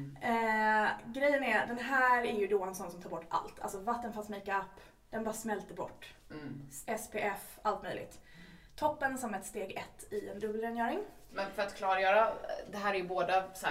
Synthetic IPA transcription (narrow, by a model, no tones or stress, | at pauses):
ɡɾɛjːənæɾd̪ɛnɦæːɾæɾjɵd̪ɔɛnsɔnːsɔmt̪ʰɑːɾbɔʈːa̰lt̪ʰa̰lsɔvat̪ːənfansmiːkaapː | d̪̥ɛnbɑːɾasmɛlt̪əbɔ̰ʈː | ʔɛspʰeːʔɛf | alt̪mœ̰jlɪ̰ɡ̚t̪ʰː | ɔpːənsɔmɛt̪st̪eːɡɛt̪ʰːɪɛnd̪ɵbːlɾɛːnjœːɾɪŋ | mɛnfœɾat̪kʰlɑːɾajœːɾad̪ɛɦæːɾæɾjɵboːd̪asɛ